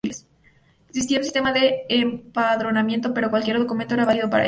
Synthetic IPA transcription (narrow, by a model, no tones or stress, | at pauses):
les | eksist̪iaunsist̪e̞maðe̞ːmpaðɾo̞namje̞nt̪o̞pe̞ɾo̞kwalkʲje̞ɾðokument̪oeɾaβaliðo̞paɾa̰